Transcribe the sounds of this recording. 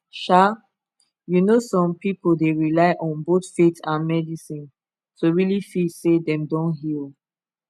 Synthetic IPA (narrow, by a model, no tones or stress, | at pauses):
ʃa | junosɔ̃mpipoldeɹilaɪʔɔ̃nbotfetãnmɛdisĩn | tʰoɹilifisedɛ̃mdɔ̃nɦilˠ